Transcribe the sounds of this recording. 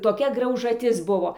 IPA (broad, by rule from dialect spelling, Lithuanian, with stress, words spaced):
toːˈkʲɛ ɡrɐʊʒɐˈtʲɪs ˈbʊʋoː